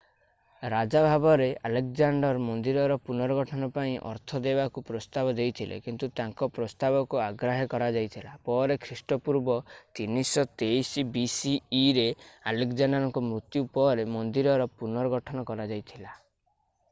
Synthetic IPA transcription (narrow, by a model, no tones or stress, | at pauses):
ɾad͡ʒabʱabɔɾealek̚d͡ʒaɳɖɔɾmɔnd̪iɾɔɾɔpunɔɾɔɡɔʈʰɔnɔpaĩʔɔ̰ɾt̪ʰɔd̪ebakupɾɔst̪abɔd̪ejt̪ʰilḛkint̪ut̪aŋkɔpɾɔst̪abɔkuaɡɾaɦikɔɾad͡ʒajt̪ʰilapɔɾekʰɾisʈɔpuɾbɔt̪inisɔt̪ejsibisiːɾealekd͡ʒanaɾɔŋkɔmɾut̪jupɔɾemɔnd̪iɾɔɾɔpunɔɾɔɡɔʈʰɔnɔkɔɾad͡ʒajt̪ʰila